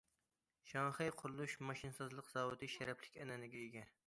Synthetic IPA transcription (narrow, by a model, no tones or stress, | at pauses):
ʃɑŋχɨjqʰʊɾlˠuʃmɑʃinsɨzlˠəqz̥ɑːwɨt̪ʰɨʃæɾɛpʰlɪ̥kʲɛnɛnɪɡʲɛeɡʲɛ